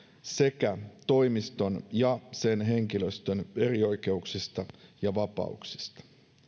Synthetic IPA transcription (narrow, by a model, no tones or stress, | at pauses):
se̞kæt̪o̞jmist̪o̞njɑse̞nɦe̞ŋkiløst̪øne̞rio̞jke̞uksist̪ɑjɑʋɑpɑ̰ṵksi̥st̪ɑ̥